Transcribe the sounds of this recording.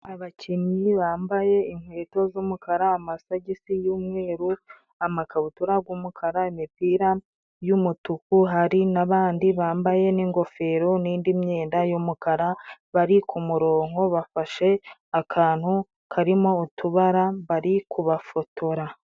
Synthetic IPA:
aβacʰiniβaːmbaje̞iŋhwe̞ːto̞zumukʰaɾaːmasaɟisijuːmŋe̞ːɾu | amakaβutuɾaɡwumukʰaɾaimipiːɾa | jumutukuɦaɾinaβaːndiβaːmbaje̞niːŋɡo̞fe̞ɾoniːndimɲe̞ːndajumukaɾaβaɾikumuɾo̞ːŋo̞βafaʃe̞akʰaːn̥hu | kʰaɾimo̞ːtuβaɾaβaɾikuβafotoɾa

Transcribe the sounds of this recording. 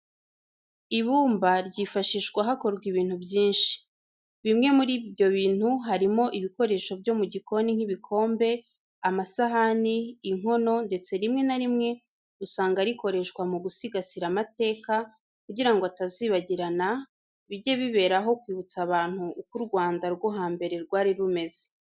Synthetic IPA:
iβuːmbaɾɟifaʃiːʃɡwaɦako̞ɾɡwiβiːn̥hubjiːnʃi̥ | βimŋe̞muɾibjo̞βiːn̥huɦaɾimo̞ʔiβiko̞ɾe̞ʃo̞bjo̞muɟiko̞niŋ̥hiβikʰo̞ːmbe̞ | amasaɦaniːŋo̞no̞nde̞t͡se̞ɾimŋe̞naɾimŋe̞ | usaːŋɡaɾiko̞ɾe̞ʃkwamuɡusiɡasiɾamate̞ːka | kuɟiɾaŋɡoataziːβaɟiɾana | βiɟe̞βiβe̞ːɾaɦo̞kwiːβut͡saβaːn̥huːkuɾɡwaːndaɾɡoɦaːmbe̞ɾe̞ɾɡwaːɾiɾume̞ze̥

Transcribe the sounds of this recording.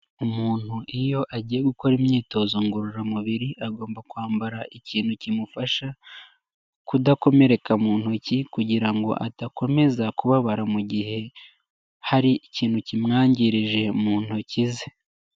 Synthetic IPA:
umuːn̥huʔijo̞ʔaɟiːje̞ɡuko̞ɾimɲiːto̞zoŋɡuɾuɾamuβiɾiʔaɡo̞ːmbakwaːmbaɾaʔiciːn̥hucimufaʃa | kudako̞me̞ɾe̞kamuːn̥hucikuɟiɾaŋɡo̞̰ʔa̰tako̞me̞zakuβaβaɾamuɟihe̞ | haɾiiciːn̥hucimŋaːɲɟiɾiʒe̞muːn̥hucize

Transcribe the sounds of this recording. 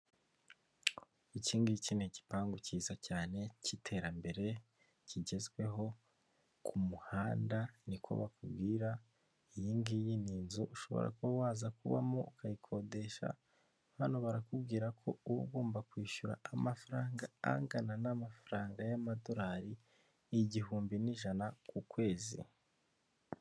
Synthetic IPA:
iciːŋɡicineci̥paːŋɡuciːzacaːne̞citʰe̞ɾambe̞ɾe̞ | ciɟe̞zɡwe̞ɦo̞ | kʰumuhaːndanikʰo̞̰βakubɡiːɾa | ijiːŋɡijiniːnzuʔuʃo̞̰βo̰ɾʔa̰kowaːzakuβa̰moukʰajikʰo̞de̞ʃa̰ | hanoβaɾakubɡiːɾakʰo̞uuɡuːmbakwiːʃuɾa̰ːmafaɾaːŋɡaa̰ŋɡananamafaɾaːŋɡajamadoɾaːɾi | iɟiɦuːmbiniʒanakukwe̞ːzḭ

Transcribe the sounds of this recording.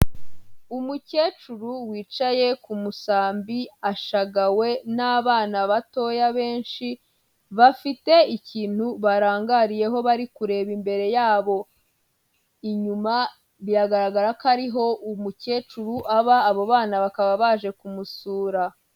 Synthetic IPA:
umuce̞ːt͡ʃuɾuwiːt͡ʃaje̞kumusaːmbiaʃaɡawe̞naːβaːnaβato̞ːjaβe̞ːnʃi | βafite̞iciːn̥huβaɾaːŋɡaɾije̞ɦo̞βaɾikuɾe̞ːβimbe̞ɾe̞jaːβo̞ | iɲuma | βijaɡaɾaɡaɾakaɾiɦo̞ʔumuce̞ːt͡ʃuɾuʔaβaːβoβaːnaβakaβaβaʒe̞kumusuːɾa

